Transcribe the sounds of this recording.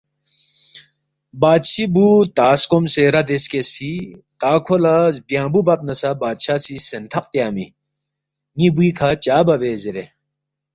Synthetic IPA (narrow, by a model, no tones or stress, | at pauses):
baːd̪sibut̪aːskomseɾɐd̪eskespʰit̪aːkʰolazbjãːbubɐp̚nɐsabaːd̪ɕaːsisent̪ʰɐqt̪jaːmḭ | ŋibuikʰat͡ɕaːbɐʋeːzeɾe